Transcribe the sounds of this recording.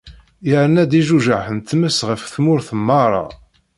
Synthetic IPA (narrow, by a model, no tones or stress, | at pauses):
jəɾnæd̪iʒuʒaʕħənt̪ːməsʁəfθmʊɾθəmːɑɾˤɑ̰